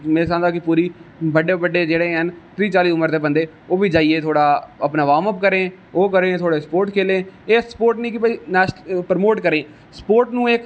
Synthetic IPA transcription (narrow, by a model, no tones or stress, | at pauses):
meːsãːnd̪aːkɪpuːɾiːbəɖeːbəɖːeːd͡ʒeːɽeːɦənt̪ɾiːt͡ʃaːliːʊməɾt̪eːbənd̪eː | oːbiːd͡ʒaːieːt̪ʰoːɽaːəpnaːʋaːməp̚kəɾẽː | oːkəɾẽːt̪ʰoːɽeːspoːɾʈkʰeːlẽːeːspoːɾʈnĩːkɪpəiːnɛːʃpəɾmoːʈkəɾẽː | spoːɾʈnũːek